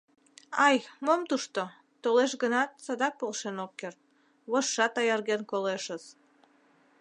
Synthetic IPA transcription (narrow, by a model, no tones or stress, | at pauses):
ɑjmomt̪uʃt̪o | t̪oleʃɣənɑt̪̚sɑd̪ɑk̚polˠʃenokːert̪̚ | βoʃːɑt̪ɑjɑrɣenkoleʃəs